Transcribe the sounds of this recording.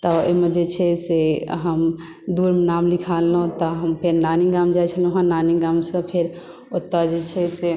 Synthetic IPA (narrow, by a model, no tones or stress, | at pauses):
t̪ɔo̰med͡ʒet͡ʃʰɛseɦəm | d̪uɾmenamlikʰalːə̃t̪ɔɦəmpʰeɾnaniɡamd͡ʒajt͡ʃʰəluɦãnaniɡamsə̃pʰeɾ | ot̪ːəd͡ʒet͡ʃʰɛse